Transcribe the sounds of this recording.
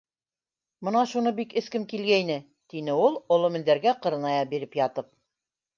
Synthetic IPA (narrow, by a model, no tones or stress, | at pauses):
mɤnɑʃunɤbikɘ̆skɘmkilɡæjnɘ | t̪inɘulˠŏlˠŏmɘ̆nd̪æɾɡæqɤ̆ɾɤ̆nɑjɑbiɾɘpjɑt̪ɤp̚